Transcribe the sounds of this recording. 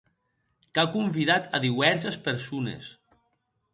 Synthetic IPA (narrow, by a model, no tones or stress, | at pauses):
kakumbiðat̪a̰ðiβɛɾs̬espeɾsunḛs